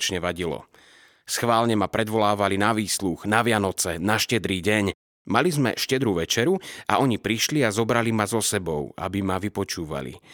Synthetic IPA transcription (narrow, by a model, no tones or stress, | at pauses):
t͡ʃɲɛʋaɟilɔ̰ | sxʋaːlɲɛmapɾɛd̪ʋɔlaːʋalinaʋiːsluɣnaʋɪanɔt͡sɛnaʃcɛd̪ɾiːɟɛɲ | malizmɛ̰ʃcɛd̪ɾuʋɛt͡ʃɛɾua̰ɔɲipɾiʃliazɔbɾalimazɔsɛbɔʊa̰bimaʋipɔt͡ʃuːʋa̰lḭ